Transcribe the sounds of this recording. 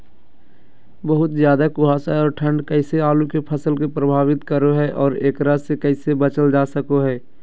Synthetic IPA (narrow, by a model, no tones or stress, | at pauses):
bəɦʊt̪zjaːd̪akʊɦaːsaɔːɾʈʰə̃ɳɖkɛɪseaːlukepʰəsəlkepɾəbʱaːʋɪt̪kəɾoɦɛʔɔːɾeːkɾasekɛɪsebət͡ʃəld͡ʒaːsəkoɦɛː